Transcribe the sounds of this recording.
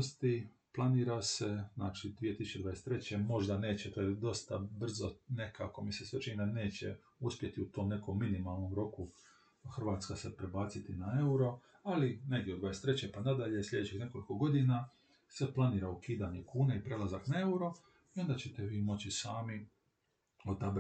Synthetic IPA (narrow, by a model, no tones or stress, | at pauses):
st̪i | plˠaniːɾase̞znaːt͡ʃid̪ʋijet̪isu̥t͡ʃːeajest̪ɾe̞t͡ɕe̞mo̞ʒd̪ane̞ːt͡ɕet̪oːjed̪o̞st̪abr̩zone̞kako̞misesʋet͡ʃinid̪ane̞ːt͡ɕḛ | uspje̞t̪iut̪o̞ːmne̞ko̞mːinimalˠno̞mɾo̞ku | xr̩ʋaːt̪skasepɾebaːt̪sit̪inae̞uɾo̞ | aline̞ɡdʲeod̪ʋajest̪ɾe̞t͡ɕepanad̪aʎe̞slʎʲe̞d̪et͡ɕixne̞ko̞liko̞ɡo̞d̪ina | seplˠaniːɾaukiːd̪aɲekuːneipɾe̞lˠazaknae̞uɾo̞ | io̞nd̪at͡ɕe̞t̪eʋiːmo̞t͡ɕisaːmi | od̪ab